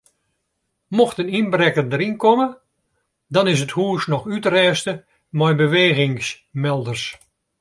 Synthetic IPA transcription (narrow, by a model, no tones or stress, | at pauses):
moxtəninbrɛkəndəɾinkɔmə | dɔnɪsəthuːsnɔxytrɛːstə | mɔjbəʋeːɣɪŋs | mɛlˠdərs